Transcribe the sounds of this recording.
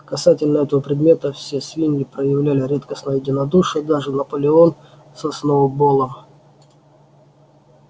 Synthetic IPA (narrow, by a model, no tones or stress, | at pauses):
kɐsatʲɪlʲnəɛt̪əvəpɾʲɪd̪mʲe̞t̪əfsʲe̞svʲinʲɡʲɪpɾəjɪvlʲælʲɪɾʲet̪kəsnəjjɪdʲɪnɐd̪uʂɨjəd̪aʐɨnɐpəlʲɪo̞n | sɐsnoʊbolˠəm